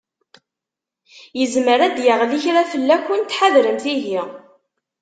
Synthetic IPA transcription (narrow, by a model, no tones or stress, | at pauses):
jəzməɾæd̪jəʁliçɾæfəlːækʷːunt̪ħaðɾəmθiɦi